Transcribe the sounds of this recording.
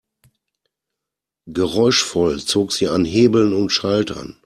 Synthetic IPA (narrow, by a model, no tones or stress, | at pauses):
ɡəʁɔʏʃfɔlt͡soːkz̥iːanɦeːbl̩nʊntʃaltʰɐ̰n